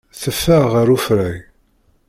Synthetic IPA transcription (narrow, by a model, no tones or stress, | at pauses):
θəfːəʁəɾufɾæj